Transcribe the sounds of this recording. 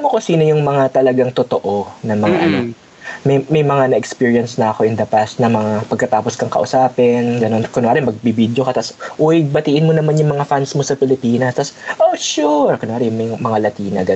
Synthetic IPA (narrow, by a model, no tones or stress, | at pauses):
mokʊsiːnojʊŋmɐŋat̪ɐlɐɡaŋt̪ot̪oʔo̞nɐŋmɐŋa̰ʔɐno | mɛjmɐjmɐŋanɐʔɛkspiːɹjɐnsnɐʔɐko̞ʔɪnd̪ɐpast̪̚nɐmɐŋapɐɡ̚kɐt̪aːposkɐŋkɐ̰ʔʊsaːpɛnɡɐno̞nkonoaːɾɪmɐɡ̚bibiːd̪jokɐt̪asʔuwɪɡ̚bɐt̪iːʔɪnmonɐmanjʊŋmɐŋafansmosɐpɪlɪpiːnɐst̪ɐsʔoʃuɹkɐnŋaːɾɪjŋmɐjmɐŋalɐt̪iːnɐ̰ɡɐ